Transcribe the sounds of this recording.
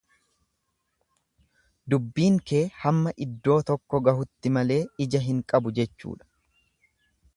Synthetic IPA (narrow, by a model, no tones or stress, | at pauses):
d̪ʊbːiːŋke̞ːhɐmːɐʔɪd̪ːo̞ːt̪ɔkːɔɡɐhʊt̪ːɪmɐle̞ːɪd͡ʒɐɦɪŋkʼɐbʊd͡ʒɛt͡ʃːṵːᶑɐ̥